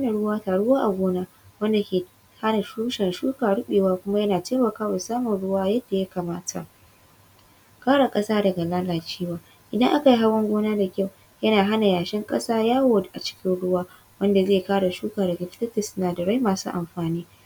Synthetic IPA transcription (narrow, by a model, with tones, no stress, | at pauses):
na˨ɽʊ˦waː˦taː˨ɽʊ˦waː˦ʔa˨ɡʷoː˦naː˦ | wɐ˦nda˨kʲeː˨ | ha˦na˨ʃuː˦ʃɛ˨nʃuː˦kaː˨ɽʊ˦ɓeː˨waː˦kʷʊ˦ma˦jɐ˦naː˨teː˦mɐ˨kaː˦wa˨saː˦mʊ˨nɽʊ˦waː˦jɐ˦dːa˨ja˦kaː˨maː˦tʰa˨ | kaː˦ɽa˨kʼɐ˦saː˦dɐ˨ɡa˨laː˦laː˨t͡ʃiː˦waː˦ | ʔɪ˨dɐ˦ŋʔa˦ka˨ji˦ɦa˦wɐ˦ŋɡʷoː˦naː˦da˨kʲa˦˨w | jɐ˦naː˨ɦa˦na˨jaː˨ʃɛ˦ŋkʼɐ˦saː˦jaː˦woː˨dʔa˨t͡ʃɪ̥˦kʲɪ˦nɽʊ˦waː˦ | wɐ˦nda˨zeː˦˨kaː˦ɽa˨ʃuː˦kaː˨dɐ˨ɡa˨ɸɪ̥˦tɐ˦tɪ˨snaː˨dɐ˨ɽa˦jmaː˨sṵ˦ʔa˨mɸaː˨niː˦